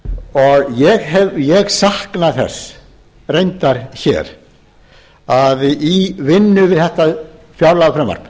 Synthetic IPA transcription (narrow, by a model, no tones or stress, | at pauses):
ɔɣjɛɣɦɛvjɛɣsahknaθɛ̰s | rejnt̪aɾ̥çɛ̰ɾ | aðivɪnːʏvɪðθɛht̪a | fjawɾlaðafɾɛmva̰ɾk